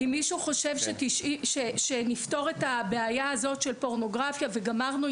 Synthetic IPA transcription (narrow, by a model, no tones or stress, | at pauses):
imːiʃuχo̞ʃe̞vʃetiʃiʃeʃenifto̞ʁe̞tabe̞ajaazo̞tʃe̞lpo̞ʁno̞ɡʁafjave̞ɡamaʁnu